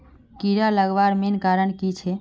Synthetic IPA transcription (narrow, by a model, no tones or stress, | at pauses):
kiɾaləɡʋaɾmenkaɾəɳkit͡ʃʰɛ